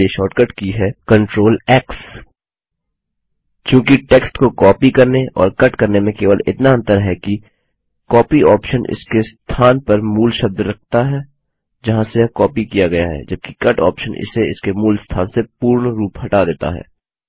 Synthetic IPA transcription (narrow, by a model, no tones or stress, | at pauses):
eʃɔːʈkəʈkiɦɛkɐ̃ɳʈɾoːlɛːks | t͡ʃjõːkiʈeːksʈkokɔːpikɐɾneʔɔ̰ːɾkɐʈkɐɾnemẽkeːʋəlɪ̰t̪naə̃nt̪əɾɦɛki | kɔːpiɔːpʃənʔɪ̰skest̪ʰaːnpɐɾmuːlʃɐb̚d̪ɾɐk̚ʰt̪aɦɛː | d͡ʒɐɦãsekɔːpikijaɡɐjaɦɛ̰d͡ʒɐb̚kikɐʈɔ̰ːpʃənʔɪ̰seɪ̰skemuːlst̪ʰaːnsepuːɾɳɾuːpɦɐʈad̪eːt̪a̰ɦɛ̰ː